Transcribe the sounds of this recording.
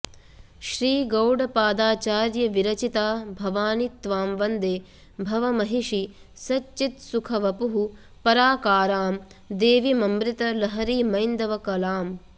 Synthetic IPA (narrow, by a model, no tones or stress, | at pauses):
ʃɾiːɡɐwɖɐpaːd̪aːt͡ʃaːɾjɐʋiɾɐt͡ʃit̪aːbʱɐʋaːnit̪ʋaːmʋɐnd̪eː | bʱɐʋɐmɐɦiʂisɐtːt͡ʃːit̪sukʰɐʋɐpuɦu | pɐɾaːkaːɾaːm | d̪eːʋimɐmɾɪt̪ɐlɐɦɐɾiːmɐjnd̪ɐʋɐkɐlaːm